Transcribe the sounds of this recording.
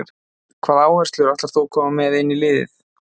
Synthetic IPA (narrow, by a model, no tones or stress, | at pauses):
kʰvaːðaːwɛr̥st̪lʏɾaht̪aɾ̥θuwkʰɔːmamːɛðɪnːilɪːðɪ̰θ